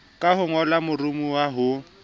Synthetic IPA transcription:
kʼaɦʊŋɔlamʊrʊmuwaɦʊ

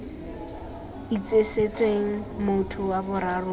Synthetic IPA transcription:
it͡sʼeset͡sʼweŋ̩mʊtʰʊwabʊɾarʊ

